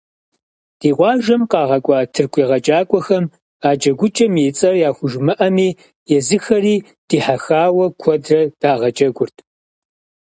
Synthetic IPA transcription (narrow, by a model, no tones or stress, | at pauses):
d̥iːqʷɑːʒɐmqɑːʁɐkʷʼɑːtʰɨrkʷʰʼiːʁɐd͡ʒʼaːkʷʼɔxɐm | aːd͡ʒɐɡʷʊt͡ʃʼɐmjet͡sʼɐrjaːxʷʊʒmɐʔɐmiː | jɛzɨxɐɾiː | d̥iːħaxaːwɐkʷʰɔdrɐd̥aːʁɐd͡ʒʼɐɡʷʊrtʰ